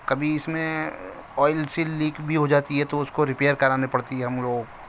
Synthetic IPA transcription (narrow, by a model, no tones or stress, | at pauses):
kɐbʱiɪsmẽ | ɔːɪlsilːiːkbʱiɦod͡ʒaːt̪iɦɛt̪oʊskoɾɪpeːəɾkɐɾaːnepɐɽt̪iɦɛɦɐmloːɡ